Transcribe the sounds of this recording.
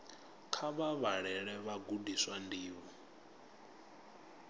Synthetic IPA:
kʰaβaβaɺɛɺɛβaɡudiswandiːβɔ

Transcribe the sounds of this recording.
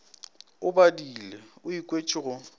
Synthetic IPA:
ʊbadileʊikʼwet͡ʃʼɪɣʊ

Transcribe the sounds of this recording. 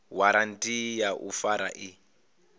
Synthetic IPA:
waɾantʼijaʔufaɾa̰ʔi

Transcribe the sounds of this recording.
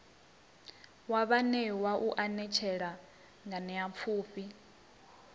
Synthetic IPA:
waβanɛwaʔuʔanɛt͡ʃʰɛɺa | ŋɡanɛap̪fʰuːɸi

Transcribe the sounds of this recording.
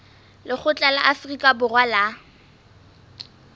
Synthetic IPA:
lɪχʊt͡ɬʼalaʔafrikʼabʊrwala

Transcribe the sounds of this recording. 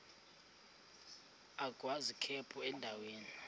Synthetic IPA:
aɡ̥ʱwazikʰɛpʰʼuɛndʱaweːni

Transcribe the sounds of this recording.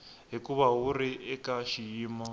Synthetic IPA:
ɦikuβawuɾiʔɛkaʃijiːmɔ

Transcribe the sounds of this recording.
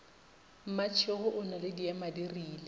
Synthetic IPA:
m̩mat͡ʃʰɪhʊʔʊnalɪdiamadiriːlɛ

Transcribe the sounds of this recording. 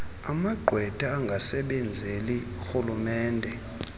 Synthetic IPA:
amaɡ͡ǃʱwɛd̥ʱaːŋɡʱasɛɓɛnd͡zʱeliuxulumɛːndʱɛ

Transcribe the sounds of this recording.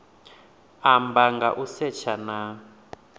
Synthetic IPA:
ambaŋɡa̰ʔusɛt͡ʃʰana

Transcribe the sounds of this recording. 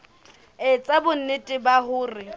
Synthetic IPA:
ɪt͡sʼabʊn̩nɪtʼɪbaɦʊːrɪ

